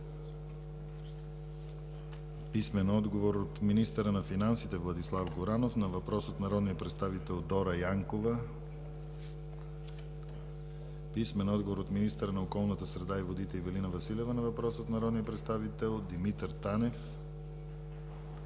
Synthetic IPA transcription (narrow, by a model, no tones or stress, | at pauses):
pismɛnɔd̪ɡovoɾot̪minist̪əɾənɐfinansit̪ɛvlˠɐd̪islˠavɡoɾanofnɐvɐpɾɔsot̪nɐɾɔd̪nijəpɾɛt̪st̪avit̪ɛlˠd̪ɔɾɐjaŋkovə | pismɛnɔd̪ɡovoɾot̪minist̪əɾənɐokɔlˠnət̪əsɾɛd̪aivod̪it̪ɛivɛlinəvɐsilʲɛvənɐvɐpɾɔsot̪nɐɾɔd̪nijəpɾɛt̪st̪avit̪ɛlˠd̪imit̪əɾt̪anɛf